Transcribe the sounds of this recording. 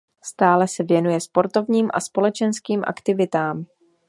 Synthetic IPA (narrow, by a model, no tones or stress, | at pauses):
st̪aːlɛsɛvjɛnujɛspo̞ɾt̪o̞vɲiːmʔa̰spo̞lɛt͡ʃɛnskiːmʔa̰kt̪ɪvɪt̪aːm